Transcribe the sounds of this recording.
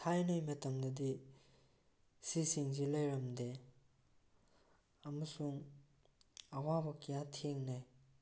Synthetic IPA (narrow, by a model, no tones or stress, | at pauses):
tʰajnɐjmɐt̪ɐmd̪ɐd̪i | sisiŋzilejɾɐmd̪e | ɐmɐsuŋ | ɐwabɐkijatʰeŋnaj